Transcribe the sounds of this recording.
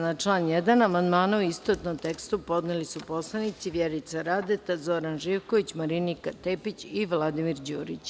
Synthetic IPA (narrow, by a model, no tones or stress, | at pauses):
nat͡ʂlˠaːnjed̪anamand̪maːnuuist̪ot̪nomt̪ekst̪upo̞d̪nelisupo̞slˠanit̪siʋjeɾit̪saɾaːd̪et̪azoɾanʒiːʋkkoʋit͡ɕmaɾinikat̪epit͡ɕiʋlˠad̪imiɾd͡ʑuːɾḭt͡ɕ